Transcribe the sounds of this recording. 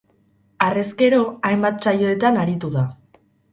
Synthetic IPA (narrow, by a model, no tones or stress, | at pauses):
are̞ske̞ɾo̞ajmbat̪̚t͡ʃajo̞e̞t̪anaɾit̪uða